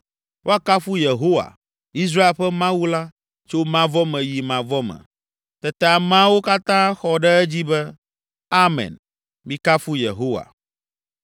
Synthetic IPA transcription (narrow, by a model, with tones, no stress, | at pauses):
wo˦a˦ka˦fu˦je˨ɦo˦wa̰˨ | i˦s̬ɾa˦e˨lɸɛ˦mã˦wu˦la˦ | t͡ʃo˦mã˦vɔ˦mɛ̃˨ji˨mã˨vɔ˦mɛ̰̃˨ | t̪ɛ˨t̪ɛ˦˨a˨mã˦wo˦ka˦t̪ã˦xɔ˨ɖɛ˦ɛ˦d͡ʑi˦bɛ˦ | a˦mɛ̰̃˨n | mĩ˦ka˦fu˦jḛ˨ɦo˦wa̰˨